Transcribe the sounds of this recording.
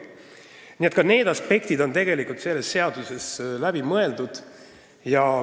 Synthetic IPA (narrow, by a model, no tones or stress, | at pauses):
niet̪̚kɑne̞ːd̪̥ɑspe̞k̚t̪id̪o̞nt̪e̞ɡe̞likult̪se̞lːe̞sːe̞ɑd̪̥use̞slæb̥imɤe̞ld̪̥ud̪̥ | jɑ